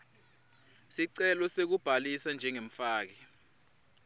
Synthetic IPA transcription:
siǀɛlɔsek̬ub̥ʱalisand͡ʒʱɛŋem̩faːk̬ɛ

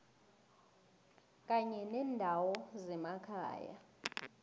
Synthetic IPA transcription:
k̬ʼaɲɛnɛːndʱawɔzɛmakʰa̰ːja̰

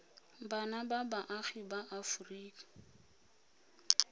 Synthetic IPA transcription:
banababaʔaɣibaʔafuriːkḁ

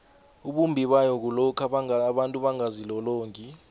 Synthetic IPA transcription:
uɓumbʱiɓajɔk̬ulɔkʰaɓaɓantʼuɓaŋazilɔloːŋkʼi

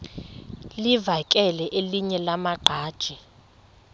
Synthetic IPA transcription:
livakʼɛlɛʔeliɲɛlamaɡ͡ǃʱaːd̥ʒ̥ʱi

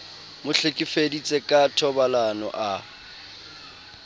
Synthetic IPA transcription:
mʊɬɪkʼifedit͡sʼekʼatʰɔbalanɔ̰ʔa

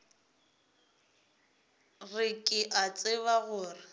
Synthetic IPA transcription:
rɪkʼɪʔat͡sʼɪβaɣʊːrɪ

